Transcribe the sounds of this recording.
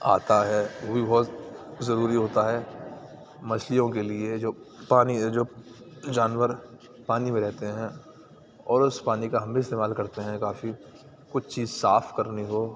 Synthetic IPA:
aːt̪aɦɛːʋobibɔɦt̪zɐɾuːɾiɦoːt̪aɦɛː | mɐslijõkelied͡ʒoːpaːnid͡ʒoː | d͡ʒaːnʋəɾ | paːnimẽɾɛɦt̪eɦɛ̃ | ɔːɾʊspaːnikaɦɐ̃mbeɪst̪eːmaːlkɐɾt̪eɦɛ̃kaːfi | kʊt͡ʃʰt͡ʃiːzsaːfʰkɐɾniɦoː

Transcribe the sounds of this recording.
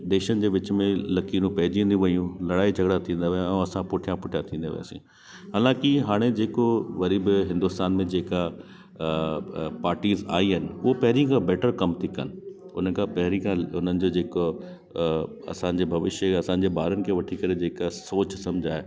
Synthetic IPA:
d̪eːʃənɪ̆d͡ʑeːʋɪt͡ɕmẽlɐkiːnũpɐɦɪd͡ʑĩːnd̪ũʋɐijũlɐɽaːid͡ʑʱɐɡɽat̪ʰĩːnd̪aʋjãɛ̃ɐsãpʊːʈʰijãpʊʈʰjat̪ʰĩːnd̪a̰ːʋɪ̰ja̰ːsḭ̃ː | ɦaːlãːkɪɦaːɽ̃ed͡ʑeːkoʋɐɾiːbɪɦɪ̃nd̪ʊst̪aːnmẽd͡ʑeːka | paːɾʈiːza̰ːiɦənɪ̆ʊɦopɐɦɪɾijãkʰãbɛːʈəɾkɐmt̪ʰikə̰nɪ̆ | ʊn̤əkʰãpɐɦɪɾikʰãʊn̤ənɪ̆d͡ʑoːd͡ʑeːko | ɐ̰sãːɲ̆d͡ʑeːbʱɐʋɪʃjəɐsãːɲ̆d͡ʑeːbaːɾənɪ̆kʰeːʋɐʈʰikɐɾed͡ʑeːkasoːt͡ɕsɐ̃md͡ʑʱaːɦe

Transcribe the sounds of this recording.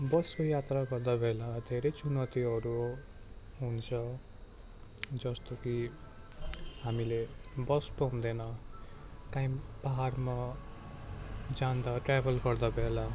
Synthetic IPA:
bʌskojat̪raɡʌrd̪abʱelad̪ʱeɾʌjt͡sunʌt̪iʌɾu | ɦunt͡sʰʌ | d͡zʌst̪oki | ɦamilebʌspʌɦũd̪enʌ | kaĩb̥aɦarma | d͡zand̪aʈrabʱʌlɡʌrd̪abʱela

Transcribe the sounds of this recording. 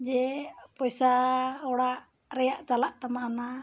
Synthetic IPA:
d͡ʒɛpɔsaɔɽaʔ | ɾɛjaʔt͡ʃalaʔt̪amana

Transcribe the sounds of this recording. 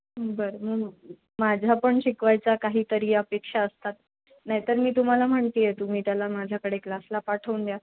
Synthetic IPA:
bəɾməɡ | mad͡ʑʱapəɳɕikʋajt͡sakaɦiːt̪əɾiːəpekʂaəst̪at̪ | naɦjit̪əɾmiːt̪um̤alam̤əɳt̪ijet̪um̤iːt̪jalamad͡ʑʱjakəɽeklaslapaʈʰəund̪ja

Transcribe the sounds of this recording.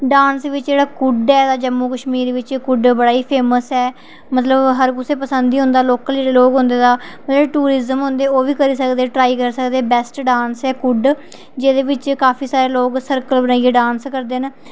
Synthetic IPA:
ɖãːnsʋɪt͡ʃd͡ʒeːɽaːkʊɖɛːd̪aːd͡ʒəmːuːkəʃmiːɾʋɪt͡ʃkʊɖbəɽaːiːpʰeːməsɛː | mət̪ləbɦəɾkʊseːpəsənd̪iːɦʊ̃nd̪aːloːkəld͡ʒeːɽeːloːɡɦʊ̃nd̪eːd̪aːmət̪ləbʈuːɾɪzəmɦʊ̃nd̪eːoːʋiːkəɾiːsəkd̪eːʈɾaːikəɾsəkd̪eːbɛsʈɖãːnsɛːkʊɖ | d͡ʒeːd̪eːʋɪt͡ʃkaːpʰiːsaːɾeːloːksəɾkəlbənaːieːɖãːnskəɾd̪eːɦən

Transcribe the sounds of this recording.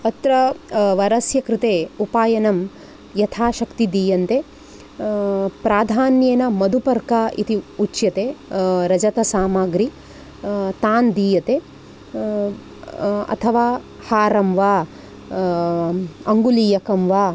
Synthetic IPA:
ɐt̪ɾɐʋɐɾɐsjɐkɾɪt̪eːupaːjɐnɐm | jɐt̪ʰaːʃɐkt̪id̪iːjɐnt̪eː | pɾaːd̪ʱaːnjeːnɐmɐd̪upɐɾkaːʔit̪iut͡ʃjɐt̪eːɾɐd͡ʒɐt̪ɐsaːmaːɡɾi | t̪aːnd̪iːjɐt̪eː | ɐ̰t̪ʰɐʋaː | haːɾɐmʋaː | ɐŋɡuliːjɐkɐmʋaː

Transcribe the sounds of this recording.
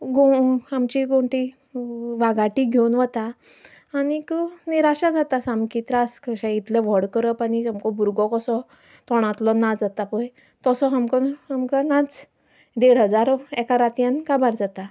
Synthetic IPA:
ɡoamt͡ɕiɡõɳʈi | ʋaɡaʈiɡʱewnʋət̪aː | ñikəniɾaɕad͡zat̪asamkit̪ɾaskəɕãit̪leʋɔɽkəɾəpañiamkɔbuɾɡɔkɔsɔ | t̪ɔɽ̃ãt̪lɔnad͡zat̪apəj | t̪ɔsɔɦamkɔamkanad͡z | d̪eɽɦəd͡zaɾɛkaɾat̪jãnkabaɾd͡zat̪a

